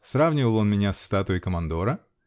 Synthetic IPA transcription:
sravnʲɪvəlˠo̞nmʲɪnʲasːt̪at̪ʊəjkəmɐnd̪o̞ɾə

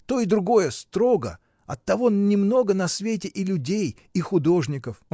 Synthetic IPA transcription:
t̪o̞ɪd̪ɾʊɡo̞jəst̪ɾo̞ɡə̰ | ɐt̪ːɐvo̞nʲɪmno̞ɡənɐsvʲetʲɪʔɪlʲʊdʲej | ixʊd̪o̞ʐnʲɪkəf

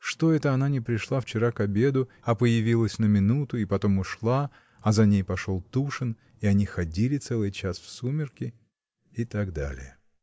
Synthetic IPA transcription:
ʂt̪o̞ɛt̪əɐnanʲɪpɾʲɪʂlˠaft͡ɕɪɾakɐbʲe̞d̪ʊ | ɐpəjɪvʲilˠəsʲnəmʲɪnut̪ʊipɐt̪o̞mʊʂlˠa | ɐzɐnʲejpɐʂo̞lˠt̪uʂɨn | iɐnʲixɐdʲilʲɪt̪sɛlˠɨjt͡ɕasfsumʲɪrkʲɪ | ɪt̪aɡd̪a̰lʲɪ̰jə

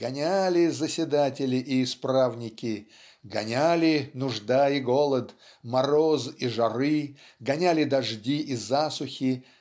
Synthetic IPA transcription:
ɡɐnʲalʲɪzəsʲɪd̪atʲɪlʲɪʔɪːspɾavnʲɪkʲɪ | ɡɐnʲalʲɪnʊʐd̪aɪɡo̞lˠət̪ | mɐɾoziʐɐɾɨ | ɡɐnʲælʲɪd̪ɐʐdʲiʔizasʊxʲɪ

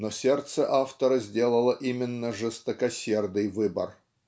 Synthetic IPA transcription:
nosʲert̪səʔaft̪əɾəzʲdʲe̞lˠəlˠəʔimʲɪnːəʐɨst̪əkɐsʲe̞rd̪ɨjvɨbə̰r

